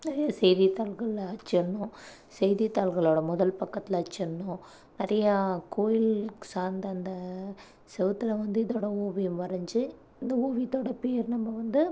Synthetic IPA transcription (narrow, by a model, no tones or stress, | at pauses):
nɪɾɐjɐsɛjðit̪aːlɣɐɭɐt͡ʃːɐɳːʊ̃ | sɛjðit̪ːaːlɣɐɭoːɽɐmʊðɐlpɐkːɐt̪ːɪlɐt͡ʃːɐɳːʊ̃ | nɪɾɐjɐkoːjɪlsaːnd̪ɐɐnd̪ɐ | sɛʋɯt̪ːɪlɐʋɐnd̪ɯɪðoːɽɐoːʋijɯmʋɐɾɐɲd͡ʒɯ | ɪnd̪ɐoːʋit̪ːoːɽɐpeːɾnɐmːɐʋɐnd̪ɯ